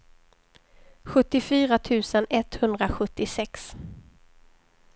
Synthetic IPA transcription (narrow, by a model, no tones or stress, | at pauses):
ɧɵt̪ːɪfyːɾat̪ʰʉ̟ːsənɛt̪hɵnd̪ɾaɧɵt̪ːɪsɛks